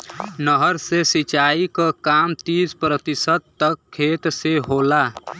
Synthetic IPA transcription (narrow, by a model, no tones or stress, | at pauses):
nəɦəɾsesit͡ʃaːikakaːmt̪iːspɾət̪ɪsət̪ːəkʰːeːt̪seɦoːla